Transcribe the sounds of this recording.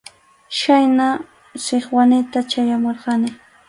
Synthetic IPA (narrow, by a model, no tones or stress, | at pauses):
ʃajna | sɪχwanɪt̪at͡ʃajamoɾɢɑnɪ